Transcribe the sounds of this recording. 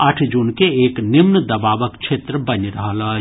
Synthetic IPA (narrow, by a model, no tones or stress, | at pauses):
ɐʈʰd͡ʒunkeeːknɪmnd̪ɐbaːʋəkt͡ʃʰeːt̪ɾbɐnɾɐɦalaː